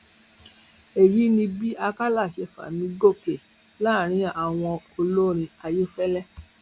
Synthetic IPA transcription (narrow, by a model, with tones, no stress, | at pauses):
e˨ji˨˦nĩ˧bi˦a˧ka˦la˦˨ʃe˧fa̰˨nĩ˨˦ɡo˦˨ke˨ | la˦˨ɾ̃ĩ˨˦a˨w̃ɔ̃˧o˧lo˦ɾ̃ĩ˧a˧jo˦fɛ˦lɛ˦˨